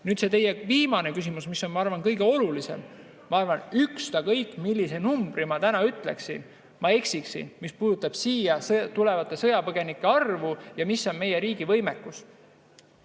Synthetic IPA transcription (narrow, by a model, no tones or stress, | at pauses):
nyːd̪̥se̞t̪e̞jeviːmɑne̞kysimusmisːo̞nmɑɑrvɑnkɤjɡ̥e̞o̞lulise̞̰m | mɑɑrvɑnykst̪ɑkɤjkːˑmilʲːise̞numbɾimɑt̪ænɑyt̪ˑlḛksḭn | mɑe̞ksiksḭnmispuːd̪̥ut̪ːˑɑb̥siːjɑst̪ule̞vɑt̪ːˑe̞sɤ̞jɑpɤɡ̥e̞nikːˑe̞ɑrvujɑmisːo̞nme̞je̞ɾiːɡ̥ivɤ̞jmekːˑus